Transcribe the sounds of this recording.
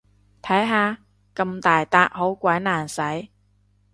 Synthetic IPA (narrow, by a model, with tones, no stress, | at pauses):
t̪ʰɐ˨˥jɦaː˨˧ | kɐ˧mt̪aː˨jt̪aː˧k̚ho˨˥wkʷɐ˨˥jnaː˨˩nsɐ˨˥j